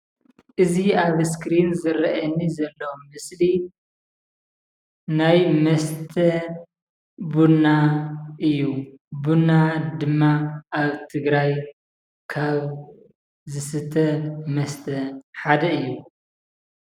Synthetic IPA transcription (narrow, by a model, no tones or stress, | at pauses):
ʔɨziaβskɾinzɨɾɐʔɐnːizɐlːɐmɨsli | najmɐst̪ʰɐ | bunaʔɨjːubunːad̪ɨmːaʔaβt̪ʰɨɡɾaj | kʰaβ | zɨsɨt̪ʰɐmɐst̪ʰɐħad̪ɐɨjːu